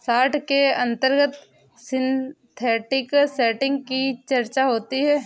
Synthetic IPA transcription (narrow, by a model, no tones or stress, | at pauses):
saːʈʰkeɐ̃nt̪əɾɡət̪ | sɪ̃nt̪ʰɛːʈɪksɛːʈɪ̃ŋɡ̚kit͡ʃɐɾt͡ʃaɦoːt̪iɦɛː